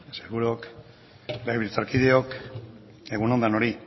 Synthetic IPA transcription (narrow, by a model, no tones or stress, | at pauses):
seɣuɾok | lajβilt͡saɾkiðeok | e̞ɣunond̪ano̞ɾi